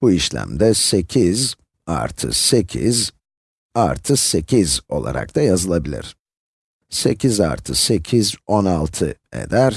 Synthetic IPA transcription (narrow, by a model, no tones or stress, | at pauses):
b̥uiʃlʲæ̰md̪ɛse̞cʰiz | a̰ɾt̪ʰɯ̰se̞cʰḭz | aɾt̪ʰɯse̞cʰizo̞̰lˠa̰ɾʔa̰k̚t̪ʰajazɯlˠabilʲḭɾ̥ | se̞̰cʰiza̰ɾt̪ʰɯse̞cʰizonalˠt̪ʰɯe̞̰d̪æɾ̥